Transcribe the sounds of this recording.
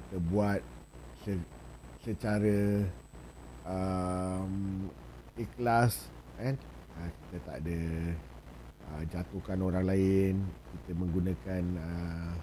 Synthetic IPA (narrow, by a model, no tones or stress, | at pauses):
kit̪əbuat̪̚səsət͡ʃaɾə | ə | m | iklasanəki̥t̪ət̪a̰ʔdə | əd͡ʒat̪okanoɾaŋlaɪnkit̪əmə̃ŋɡunãkanə